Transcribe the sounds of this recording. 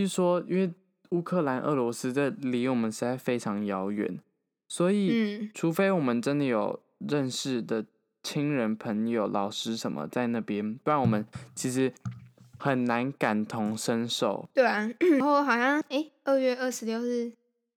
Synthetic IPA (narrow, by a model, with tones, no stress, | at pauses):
t͡ɕy˥˩ʂwɔ˥i˥nwe˥˩ɪ | u˥kʰɤ˥˩la˧˥nʔə̰˥˩lwɔ˧˥s̩˥d̪ə˨li˧˥wɔ˨˩mə˦nʂɻi˧˥t͡sa˥˩ɪfe˥ɪʈ͡ʂʰɑ˧˥ŋjɑ˧˥ʊɥɛ̰˨˩˦n | swɔ˧˥i˨˩˥ʈ͡ʂʰu˧˥fe˥ɪwɔ˨˩mə˦nʈ͡ʂə˥nd̪ə˨jo˨˩ʊ | ɻə˥˧nʂɻ̩˥˩d̪ə˩ | t͡ɕʰi˥ŋɻə˧˥npʰə˧˥ŋjo˨˩ʊlʔɑ˨˩ʊʂɻ̩˥ʂə˧˥nmʔə̰˧˦t͡sa˥˧ɪna˥˩pjɛ˥nt̪wnwɔ˨˩mə˦nt͡ɕʰi˧˥ʂɻ̩˧˥xə˨˩nna˧˥nka˨˩nt̪ʰʊ˧˥ŋʂə˥nʂo˥˩ʊt̪we˥˩˥xo˥˩ʊxɑ˨˩ʊɕjɑ˥˩ŋe˥˩ɪə˥˧ɥɛ˥˧ə˥˩ʂɻ̩˧˥ljo˥˧ʊɻ̩˥˩